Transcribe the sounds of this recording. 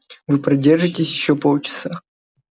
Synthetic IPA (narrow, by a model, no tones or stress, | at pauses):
vɨpɾɐdʲerʐɨtʲɪsʲjɪɕːopolˠt͡ɕɪ̥sa